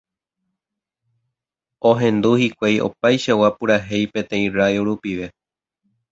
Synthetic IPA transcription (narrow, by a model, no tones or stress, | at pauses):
õɦẽ̞nd̪uhikʷajo̞̰pajʃawapɨɾaɦe̞jpẽ̞t̪ẽ̞ĩrajoɾupiʋe̞